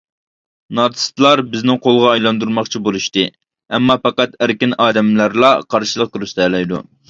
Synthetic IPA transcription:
nɑt̪ʰɨ̥st̪lˠɑɾbɪznɪŋqʰolˠʁɑːjlˠɑnd̪uɾmɑχt͡ʃʰibolˠuʃt̪ɨ | ɛmːɑpɑqɑt̪æɾkʲɪnɑːd̪ɛmlæɾlˠɑqʰɑɾʃilˠəq̚kɾyst̪ɛːlɛjd̪ṵ

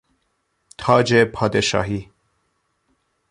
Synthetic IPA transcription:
t̪ʰɑːd͡ʒepʰɑːd̪eʃɑ̰ːɦi

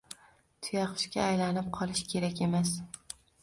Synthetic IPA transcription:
t̪ʰʊjɑqʰɨ̥ʃkʲaːjlanɪp̚qʰɒlˠɪʃkʲʰe̞ɾakʲe̞mas

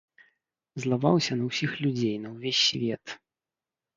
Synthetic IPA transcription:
zlˠava̰wsʲɐnɐwsʲixlʲud͡zʲejnɐwvʲesʲːvʲɛt̪

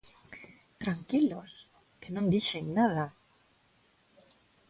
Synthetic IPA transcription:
t̪ɾaŋkilos | kenõnd̪iʃeŋnaða

